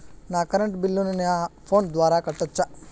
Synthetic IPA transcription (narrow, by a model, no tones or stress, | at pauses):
naːkɐɾəɳʈbilːunɐnapʰoːnd̪ʋaːɾakɐʈɐtːt͡ʃːa